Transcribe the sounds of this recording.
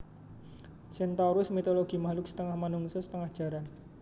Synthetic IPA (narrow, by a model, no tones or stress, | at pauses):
sint̪aɾʊsmit̪oloɡ̥imahlʊksə̥t̪əŋahmanʊŋsɔsə̥t̪əŋahdʒ̥a̤ɾan